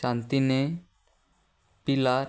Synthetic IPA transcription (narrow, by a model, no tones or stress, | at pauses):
ãnt̪ine | pila